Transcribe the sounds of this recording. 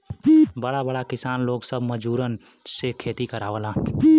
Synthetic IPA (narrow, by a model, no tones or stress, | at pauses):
bəɽabəɽakɪsaːnloːɡsəbməd͡ʒuːɾən | sekʰeːt̪ikəɾaːʋəlaː